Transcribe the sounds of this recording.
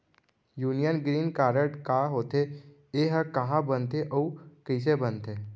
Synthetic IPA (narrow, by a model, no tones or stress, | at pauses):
juːnijənɡɾiːnkaːɾəʈkaːɦoːt̪e | eːɦəkɐɦãbənt̪eʔoukəɪs̬ebənt̪eː